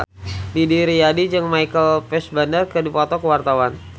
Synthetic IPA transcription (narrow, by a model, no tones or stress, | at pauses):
didiɾiadid͡ʒəŋmajkəlpɛsbandərkədipɔt̪ɔkəwart̪awan